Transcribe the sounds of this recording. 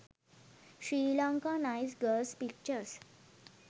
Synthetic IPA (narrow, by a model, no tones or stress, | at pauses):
ɕɾiːlɔ̃ŋkãnajsɡəlspik̚t͡ɕəɾs